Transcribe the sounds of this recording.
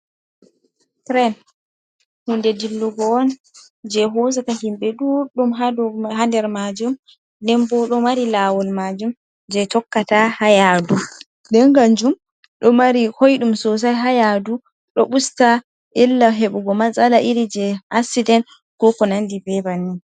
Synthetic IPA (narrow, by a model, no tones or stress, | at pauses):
tɾɛn | hundɛdilːuɡɔːn | d͡ʒɛɦɔzakaɦimɓɛɗuɗumɦadɦadɛɾmad͡ʒum | dɛmbɔɗɔmaɾilaːwɔlmad͡ʒum | d͡ʒɛtɔkːatahajadu | dɛŋɡand͡ʒum | ɗɔmaɾihojɗumsɔs̬ajɦajadu | ɗɔɓusta | ʔilːaɦeɓuɡɔmazalaʔiɾid͡ʒɛasidɛn | kɔkɔnandibɛbanːi